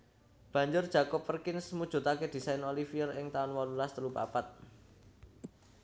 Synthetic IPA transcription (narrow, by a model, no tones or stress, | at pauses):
b̥ä̤ɲd͡ʒʊrd̥ʒ̥a̤kɔpːərkɪnsmud̥ʒ̥ṳt̪aked̪̥i̤sajnolifijərɪŋt̪aɔnwɔlulast̪əlupa̰pat̪̚